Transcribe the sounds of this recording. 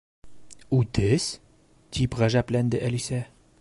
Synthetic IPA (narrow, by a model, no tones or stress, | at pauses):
ud̪es | t̪ibʁaʒaplɛnd̪əʔelisɛ